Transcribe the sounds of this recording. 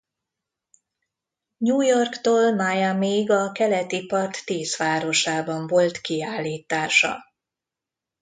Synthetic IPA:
ɲuːjo̞rkt̪oːlmajamiɡɒkɛlɛt̪ipɒrt̪ːeːsʋaːɾo̞ʃaːbɒɱvo̞lt̪kiaːlːiːt̪aːʃɒ̰

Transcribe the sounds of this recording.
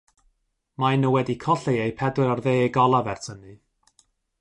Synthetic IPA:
majnəwɛdikʰɔɬeejpʰɛdwɪɾarðeːeɡɔlˠavɛrtʰənɨ

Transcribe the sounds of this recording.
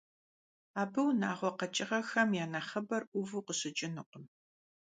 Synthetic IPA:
aːbɨwnaːʁʷɔqɐt͡ʃʼɪʁɐxɐmjaːnaχɐbɐrʔʷʊvɨqəɕɪt͡ʃʼɪnɨqʷʼʊm

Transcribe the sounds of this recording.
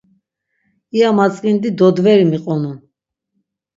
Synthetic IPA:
iamat͡sʼqʼind̪id̪ɔd̪vɛɾimiqʼɔnu

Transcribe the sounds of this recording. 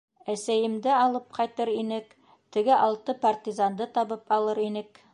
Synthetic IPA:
æsæjɘ̆md̪ɘɑlˠɤp̚qʰɑjt̪ɤɾinɘk | t̪ɘ̆ɡɘʔɑlˠt̪ɤpart̪ʲizand̪ɤt̪ɑβɤpɑlˠɤɾinɘk

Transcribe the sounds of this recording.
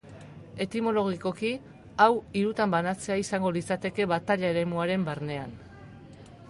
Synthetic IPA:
e̞t̪imo̞lo̞ɣ̞iko̞ki | awiɾut̪ambanat͡se̞aisaŋɡo̞lit͡sat̪e̞ke̞βat̪aʎaeɾe̞muaɾe̞mbaɾne̞an

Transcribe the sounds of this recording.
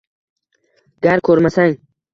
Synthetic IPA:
ɡ̥aɾkʰoɾmasaŋ

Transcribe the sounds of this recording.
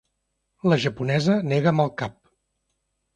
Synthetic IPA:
ləʒəpunɛzəneɣəməlˠkap̚

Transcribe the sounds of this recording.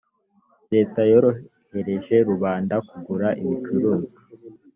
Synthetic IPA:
ɾe̞ːtajoɾo | he̞ɾe̞ʒe̞ɾuβaːndakuɡuɾaʔiβit͡ʃuɾuːzi

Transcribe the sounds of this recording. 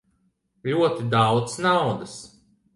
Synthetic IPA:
ʎʲuɔt̪id̪awt̪snawd̪as

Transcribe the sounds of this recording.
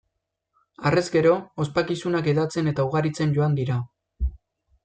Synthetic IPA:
are̞zɡe̞ɾo̞ːspakisunake̞ðat͡se̞ne̞t̪auɣaɾit͡se̞nɟo̞and̪iɾa

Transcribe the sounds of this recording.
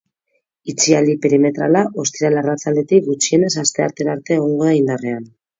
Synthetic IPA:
it͡sialipe̞ɾime̞t̪ɾa̰laʔo̞st̪iɾalarat͡sald̪e̞t̪ikɡut͡ʃie̞ne̞sast̪e̞aɾt̪e̞ɾaɾt̪e̞ːɣ̞o̞ŋɡo̞ðaind̪are̞an

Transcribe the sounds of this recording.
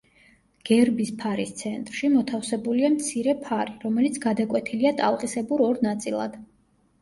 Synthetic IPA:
ɡ̥ɛɾbispʰaɾist̪sʰɛnt̪ʼɾʃimɔt̪ʰafsɛbuliamt̪sʰiɾɛpʰaɾiɾɔmɛlit̪sʰɡ̥ad̪akʼwɛt̪ʰiliat̪ʼalˠqʼisɛbuɾɔɾnat̪sʼilˠa̰d̪̥

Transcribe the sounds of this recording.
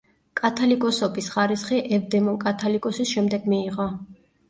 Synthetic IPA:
kʼat̪ʰɔlikʼɔsɔpʼisχaɾisχiʔɛvd̪ɛmɔnkʼat̪ʰɔlikʼɔsisʃɛmd̪ɛɡmiːʁɔ

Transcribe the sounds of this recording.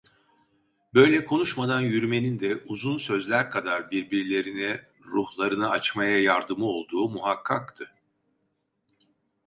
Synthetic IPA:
bø̞jlʲɛkʰo̞nuʃmad̪anjyɾyme̞nind̪ɛʔuzunsø̞zlʲæɾkʰad̪aɾbiɾbiɾlʲe̞ɾinɛ | ɾuhlˠaɾɯnaat͡ʃmajajaɾd̪ɯmɯo̞lˠd̪uːmuɦakʰːakt̪ʰɯ

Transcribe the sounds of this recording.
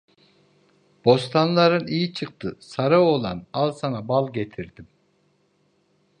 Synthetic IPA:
b̥o̞st̪ʰanlˠaɾɯnijit͡ʃʰɯq̚t̪ʰɯsaɾao̞lˠa̰nalˠsanabalˠɟet̪ʰiɾd̪im

